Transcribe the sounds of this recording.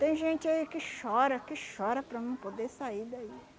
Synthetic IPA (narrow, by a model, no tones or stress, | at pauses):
t̪ẽj̃ʒẽnt͡ʃɪaikɪʃɔɾɐkɪʃɔɾɐpɾɐnɐ̃w̃pod̪esaid̪ai